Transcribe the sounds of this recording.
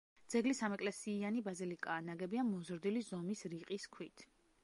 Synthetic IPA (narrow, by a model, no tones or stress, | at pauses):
d̪zɛɡlisamɛkʼlɛsiːanibazilikʼaːnaɡɛbiamɔzɾd̪ilizɔmisɾiqʼiskʰwit̪ʰ